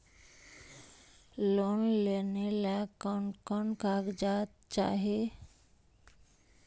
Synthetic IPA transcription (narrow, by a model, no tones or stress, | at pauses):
lonlenelakɔnkɔnkaɡd͡ʒat̪ | t͡ʃa̰ɦe